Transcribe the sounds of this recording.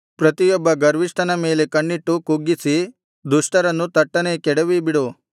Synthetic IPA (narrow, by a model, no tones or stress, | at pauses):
pɾɐt̪ijɔbːɐɡɐɾʋiʂʈʰɐnɐme̞ːle̞kɐɳːiʈːukuɡːisi | d̪uʂʈɐɾɐnːut̪ɐʈːɐnekɛɽɐʋibiɽu